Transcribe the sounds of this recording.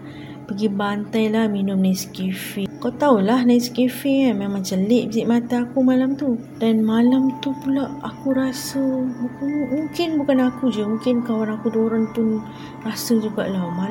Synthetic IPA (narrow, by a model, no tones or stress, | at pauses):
pəɡibant̪ajlahminʊmnajsə̥kifikawt̪aulahnajsə̥kifimeŋmaŋt͡ʃəlɪʔbisiʔmat̪aːkumalamt̪u | danmalamt̪upulaʔakuɾasəbukanmũŋkɪnbukanakud͡ʒəmũŋkɪnkawanakuduoɾaŋpʊn | rasəd͡ʒuɡa̰ʔlama